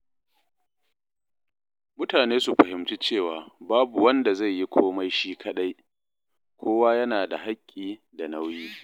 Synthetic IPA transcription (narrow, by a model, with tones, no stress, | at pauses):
mʊ˦taː˨neː˦su˨ɸɐ˨ɦɪ˨mt͡ʃi˦t͡ʃeː˦˨waː˨baː˦bu˨wɐ˦nda˨za˦˨jːi˦kʷʰoː˦ma˦jʃiː˦kʰɐ˦ɗa˦j | kʷʰoː˦waː˦jɐ˦naː˨da˨ɦa˦kʲʼːiː˨ | da˨na˦wjiː˦